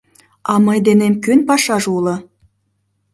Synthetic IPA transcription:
ɑməjd̪enemkønpɑʃɑʒulɤ̆

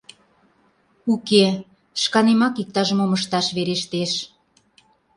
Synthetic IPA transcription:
uke | ʃkɑnemɑkik̚t̪ɑʒəmoməʃt̪ɑʃβeɾeʃt̪eʃ

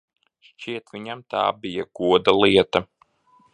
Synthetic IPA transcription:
ʃt͡ʃiɛt̪vʲiɲamt̪a̰ːbijaɡ̥uɔd̪alˠiɛt̪ɐ

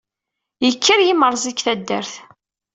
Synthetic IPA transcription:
jəkʰːəɾjiməɾˤzˤikθæd̪ːəɾθ

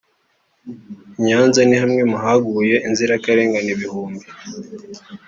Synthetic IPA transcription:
ɲaːnzanihamŋemuɦaɡuje̞ʔinziɾakaɾe̞ːŋɡaniβihuːmbi

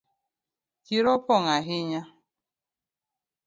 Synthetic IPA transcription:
kiɾɔpɔŋaɦɪɲa

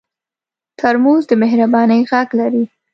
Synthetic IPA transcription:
t̪ʰaɾmuzd̪əmɪɦɾabɑnəjɣaɡlaɾi

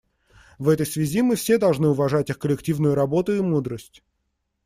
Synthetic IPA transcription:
vɛt̪əjsvʲɪzʲimɨfsʲe̞d̪ɐlˠʐnɨʊvɐʐatʲixkəlʲɪktʲivnʊjʊɾɐbo̞t̪ʊimud̪ɾəsʲtʲ

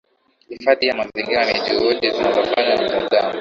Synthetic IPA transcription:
hifaðijamaziŋɡiɾanɛʄuhuɗizinavɔkananam̩tazamu

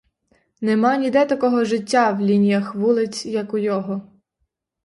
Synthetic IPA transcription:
nɛmɑnʲid̪ɛt̪ɐkɔɦɔʒɪtʲːawlʲinʲijɐxʋulˠɪt͡sʲjɐkʊjɔɦɔ

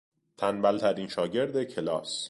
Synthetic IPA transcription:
t̪ʰænbælt̪ʰæɾiːnʃɒːɟe̞ɾd̪ecʰe̞lɒ̰ːs

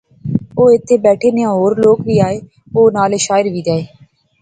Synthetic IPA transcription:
oːɪt̪ʰːeːbɛːʈʰeːneãːɦoːɾloːkʋiːaːeː | oːnaːleːʃaːɪɾʋiːd̪aːeː

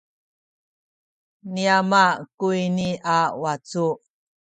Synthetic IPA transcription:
niamakuiniʔawat͡su

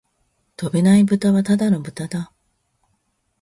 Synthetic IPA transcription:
t̪o̞be̞naibɯ̟t̪aβat̪ad̪ano̞bɯ̟t̪ad̪a

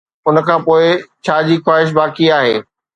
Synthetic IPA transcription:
ʊnə̆kʰãːpoːɪt͡ɕʰaːd͡ʑiːxwaːɦɪʃ̬baːkiaːɦḛː

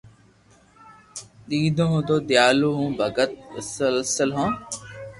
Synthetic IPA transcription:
ɗ̪iːd̪õɦõːd̪oːd̪jaːluːɦũːbʱɐɡət̪̚əsəlsəlɦõː

